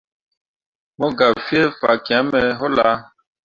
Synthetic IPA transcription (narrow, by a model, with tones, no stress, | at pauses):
mɔ˦ɡa˨fi˦e˦fa̰˨kĩ˨ã˨˦mɛ˨ɦɔ˦la˨˦